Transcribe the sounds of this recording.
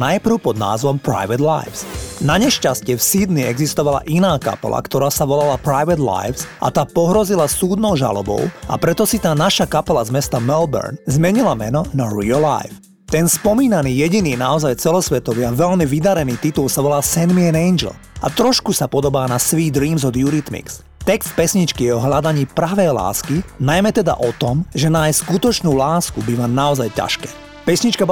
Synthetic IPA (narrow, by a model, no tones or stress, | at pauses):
najpr̩ʊpɔd̪na̰ːzʋɔmpɾa̰jʋɛd̪la̰jfsnaɲɛʃcascɪɛfsiːd̪niɛɡzist̪ɔʋala̰ʔinaːka̰pɛ̰la̰kt̪ɔɾaːsaʋɔlalapɾajʋɛd̪la̰jfsʔa̰t̪aːpɔɦɾɔzilasuːd̪nɔʊʒa̰lɔ̰bɔ̰ʊa̰pɾɛt̪ɔsit̪aːnaʃakapɛlazmɛst̪amɛlbɛ̰ɾnzmɛɲilamɛnɔnaɾila̰jf | t̪ɛnspɔmiːnaniːjɛɟiniːnaɔzajt͡sɛlɔsʋɛt̪ɔʋiaʋɛlmiʋid̪aɾɛniːt̪it̪ulsaʋɔlaːsɛnd̪miɛnɛjnd͡ʒɛ̰l | a̰t̪ɾɔʃkusapɔd̪ɔbaːnasʋiːd̪ɾiːmzɔd̪juɾit̪mḭks | t̪ɛkst̪̚pɛsɲit͡ʃkijɛɔɦlad̪aɲiːpɾaʋɛjla̰ːskinajmɛt̪ɛd̪a̰ʔɔt̪ɔmʒɛnaːjskut̪ɔt͡ʃnuːlaːskubiʋanaɔzajca̰ʃkɛ̰ː | pɛsɲit͡ʃka